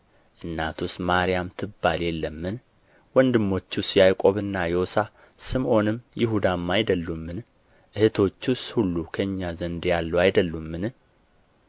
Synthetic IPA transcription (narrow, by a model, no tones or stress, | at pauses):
ʔɨnːat̪ʰusmaɾijamt̪ʰɨbːaljɛlːəmːɨn | wɔnd̪ɨmːo̞t͡ʃːusjajkʼo̞βɨnːajɛosa | sɨmʔo̞nɨmːjɪɦud̪amːajd̪əlːumːɨn | ʔɨhɨt̪ʰo̞t͡ʃːushulːukʰəɨɲːazənd̪jalːəwajd̪əlːumːɨn